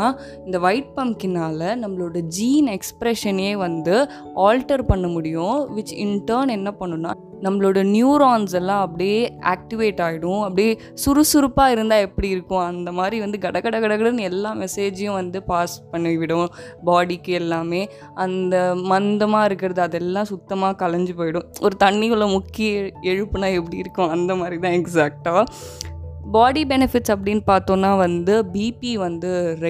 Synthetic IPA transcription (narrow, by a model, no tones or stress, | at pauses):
aː | ɪnd̪ɐʋɐɪʈ̚pɐmkɪnaːlɐnɐmːɐɭoːɽɐd͡ʒiːnɛkspɾɛʂɐneːʋɐnd̪ɯ | aːlʈɐɾpɐɳːɐmʊɽɪjʊ̃ʋɪt͡ʃːɪɳʈɐːɾnɛnːɐpɐɳːɯ̃nːaː | nɐmːɐɭoːɽɐnjuːɾaːnsɛlːãːɐpːɐɽijeːʔa̰ːk̚ʈɪʋeːʈːaːɣɪɽʊ̃ɐpːɐɽije | sʊɾɯsʊɾɯpːaːɪɾɯnd̪aːɛpːɐɽiɪɾɯkːʊ̃ɐnd̪ɐmaːd̪ɾiʋɐnd̪ɯɡɐɽɐkɐɽɐkɐɽɐkɐɽɐnɛlːaːmɛseːd͡ʒjʊ̃ʋɐnd̪ɯpaːspɐɳːɯʋʋɪɽʊ̃baːɽikːɛlːaːmeː | ʔɐnd̪ɐmɐnd̪ɐmaːɪɾɯkːɪɾɐðɯɐðɛlːãːsʊkt̪ːɐmaːkɐlɐɲd͡ʒɯpoːjɪɽʊ̃ɔɾɯt̪ɐɳːɪɯɭːɐmʊkːɪjɐɛɻɯpːɯnaːɛpːɐɽiɪɾɯkːʊ̃ɐnd̪ɐmaːd̪ɾit̪ãːɛksaːk̚ʈaː | baːɽibɛnɪfɪʈsɐp̬ːɐɽɪnːpaːɾt̪õːnːaːʋɐnd̪ɯbiːpiʋɐnd̪ɯɾɐ